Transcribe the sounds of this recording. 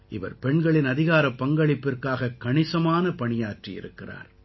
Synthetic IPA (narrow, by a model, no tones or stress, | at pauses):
ʔɪʋɐ̰ɾpɛɳɡɐɭɪnɐðɪɣaːɾɐpːɐŋɡɐɭɪpːɪrkaːɣɐkːɐɳɪsɐmaːnɐpɐɳɪjaːʈrijɪ̰ɾɯkːɪra̰ːɾ